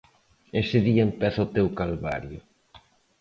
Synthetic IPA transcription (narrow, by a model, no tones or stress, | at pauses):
esɪðiɐempɛθaot̪ewkalβa̰ɾjʊ